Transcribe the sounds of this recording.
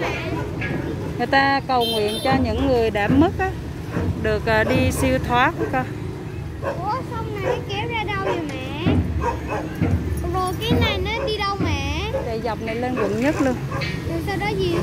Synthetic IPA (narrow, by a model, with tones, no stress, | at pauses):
ŋɨ˨˩əjt̪aː˧kə˨˩wŋwḭ˧˨ənt͡ɕɔ˧ɲɨ̰˧˥ŋːɨ˨˩əjɗaː˧˩mːɨ˦˥k̚ʔaː˨˦ | ɗɨ˨˩ək̚əː˨˩ɗi˧si˧əwt̪ʰwaː˨˦ku˧˨˦kɔ˧˩ | ʔɔ˨˦sa˧wŋ͡mna˨˩jkɛ˨˦wzaː˧ɗa˧wzo˨˩mɛ̰˧˨ | vo˨˩kaː˨˦jna˨˩jnə˨˦ɗi˧ɗə˧wmɛ̰˧˨sɛ̰˧˩za˨˩wp̚na˨˩jle˧nvə̰˧˨nɲə˦˥t̚lu˧ənɗɨ˨˩t̪aː˧ɗɔ˨˦zi˨˩